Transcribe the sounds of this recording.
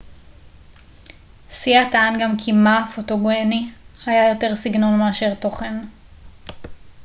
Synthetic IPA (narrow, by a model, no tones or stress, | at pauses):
siataanɡamkʰimafotoɡoenihajajo̞te̞ʁsiɡno̞nmeaʃe̞ʁto̞χe̞n